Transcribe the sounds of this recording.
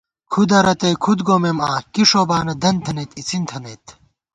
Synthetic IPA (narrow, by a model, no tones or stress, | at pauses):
kʰud̪ɐɾɐt̪ɐjkʰud̪ɡoːmemaːkiʂoːbaːnɐd̪ɐnt̪ʰɐnet̪it͡sint̪ʰɐnet̪